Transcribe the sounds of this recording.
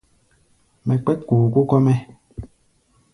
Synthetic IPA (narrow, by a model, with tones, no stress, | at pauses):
mɛ˨k͡pɛ˦t̚kuː˨ku˦kɔ˦mɛ˦